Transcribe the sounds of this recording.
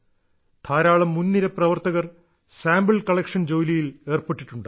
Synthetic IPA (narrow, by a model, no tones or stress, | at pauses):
t̪ʰaːɾaːɭɐmːunːiɾɐprɐʋɐrt̪ɐɣɐr | saːmbiɭkɐɭekʂɐnd͡ʑo̞ːlijile̞ːrpeʈːiʈːuɳɖɨ